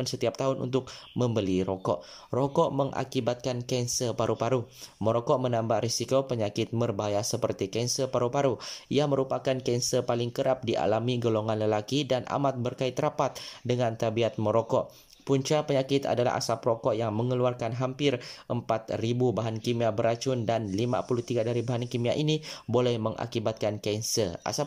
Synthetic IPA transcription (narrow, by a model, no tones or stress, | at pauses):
nsət̪iap̚t̪aɦʊnṵnt̪ʊk̚məmbəliɾokɔ̰ʔ | rokɔʔməŋʔa̰kibat̪̚kankɛnsəpaɾupaɾumoɾokɔʔmənambaʔɾisikopəɲakɪt̪̚mərbaɦajasəpərt̪ikɛnsəpaɾupaɾuijaməɾupakankɛnsəpalɪŋkəɾap̚diʔa̰lamiɡoloŋanləlakidanʔa̰mat̪̚bərkaɪt̪ːəɾapat̪̚dəŋant̪abiat̪̚moɾokɔʔ | puɲt͡ʃapəɲakɪt̪a̰dala̰ɦa̰sapɾokɔʔjaŋməŋəluarkanɦampɪrʔəmpat̪ribubaɦankimiabəɾat͡ʃʊndanlima̰pulut̪iɡadaɾibaɦankimia̰ʔinibolɛhməŋʔa̰kibat̪̚kankɛnsəa̰sa